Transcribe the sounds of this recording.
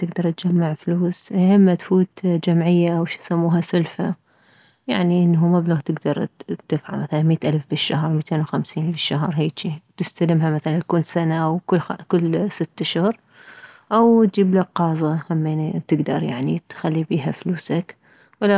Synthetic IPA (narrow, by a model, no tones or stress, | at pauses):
t̪ɪɡd̪ɑɾˤt̪d͡ʒamːaʕfluːshɪmːat̪fuːt̪d͡ʒamʕɪjːaʔawʃi̥samːuːɦasʊlfa | jaʕniʔɪnːhumablot̪ɪɡd̪ɑɾˤt̪ːɪfʕa̰lmaθalanmiːt̪ʔalfbɪʃːahɾˤmiːt̪eːnwxamsiːnbɪʃːaɦɾˤɦeːt͡ʃit̪ɪst̪alɪmɦamaθalant̪kuːnsanaʔawkʊkʊlːsɪt̪ːʊʃhʊʊɾ | ʔawt̪̚d͡ʒiːblaqɑːzˤɑhamːent̪ɪɡd̪ɑɾˤja̰ʕnit̪xalːibiːɦafluːsak | wɪla